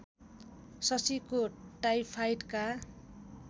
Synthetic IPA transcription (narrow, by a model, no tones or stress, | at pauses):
sʌsikoʈajpʰajʈka